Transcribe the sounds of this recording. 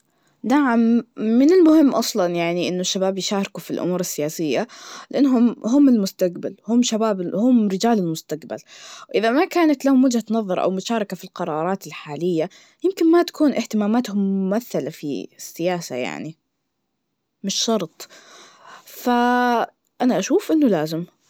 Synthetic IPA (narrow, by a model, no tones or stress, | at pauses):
naʕamːɪnɪlmʊhɪmːʔɑsˤlɑnjaʕniʔɪnːʊʃːabaːbjɪʃaːɾˤɪkufilʔʊ̰muːɾɪsːɪjaːsɪjːalɪʔanːɦʊmɦʊmːɪlmʊst̪aqba̰lhʊmʃabaːbɪhʊmɾɪd͡ʒaːlɪlmʊst̪aqba̰lwʔɪðamakaːnat̪lahʊmwɪd͡ʒhat̪nɑðˤːɑɾˤʔa̰wmʊʃaːɾˤɑkafilqɑɾˤɑːɾˤɑːt̪ɪlħaːlɪjːa | jɪmkɪnmat̪ḁkʰuːnʔɪht̪ɪmaːmaːt̪hʊmːʊmaθːalafḭsːɪjaːsa̰ja̰ʕni | mɪʃːɑɾˤt̪ˤ | fa | ʔanaʔaʃuːfʔɪnːʊlaːzɪm